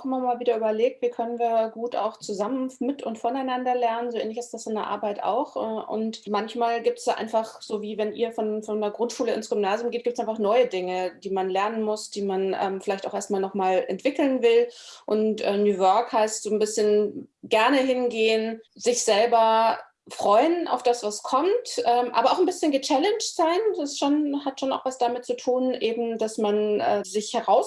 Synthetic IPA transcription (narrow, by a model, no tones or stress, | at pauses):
xʔɪmɐmaːlviːdɐʔyːbɐleːk̚tviːɐkʰœnənviːɐɡuːta̰ʊxt͡suzamənmɪtʰʊ̰ntfɔnaɪnandɐlɛɐnənzoːʔɛ̰ːnlɪçɪstd̥asɪndeːɐʔa̰ɐbaɪta̰ʊxʔɛːʔʊ̰ntmançmaːlɡiːp̚tsjaʔa̰ɪnfaχz̥oːviːvɛnʔḭːɐfɔnfɔndɛɐɡʁʊntʃuːləɪ̰nsɡ̥ʏmnaːzjʊmɡeːtɡ̥iptsaɪnfaχnɔʏədɪŋəd̥iːmanlɛɐnənmʊsd̥iːmanʔɛ̰ːmfɪlaɪçtaʊxʔeːɐtmaːlnɔχmaːlʔɛ̰ntv̥ɪkl̩nvɪlʔʊntʔɛ̰ːnjuːvœɐkhaɪstz̥oːnbɪsçənɡɛɐnəɦɪnɡeːənzɪçz̥ɛlbɐ | fʁ̥ɔʏənʔa̰ʊfd̥asv̥askʰɔmtʔɛːmʔa̰ːbɐʔaʊxn̩bɪsçənɡət͡ʃɛlɛnt͡ʃtz̥aɪnsɪstʃoːnhatʃoːnaʊxv̥asd̥amɪt̚t͡sutʰuːnʔeːbm̩dasmanɛːzɪçhɛʁaʊs